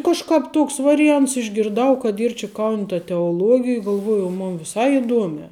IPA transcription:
kɐʃˈkɑːp ˈtoːks ʋɐrʲɪˈjɛnts ɪʒʲɡʲɪrˈdɐʊ kɐt ˈiːr t͡ʃʲɪ kɐʊnʲ tɐ tʲɛoːlˠuɔɡʲɪj ɡɐlˠˈʋuɔjʊ oː ˈmʊn ʋʲɪˈsɐɪ ɪˈduɔmʲæː

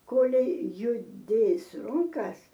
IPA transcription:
ˈkoːlʲɛɪ jʊˈdʲeːs ˈrʊŋkɐs

